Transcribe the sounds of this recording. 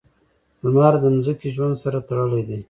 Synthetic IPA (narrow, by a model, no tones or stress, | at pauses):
bəmɑɾd̪əmzəkiʒwand̪saɾat̪aɽəled̪e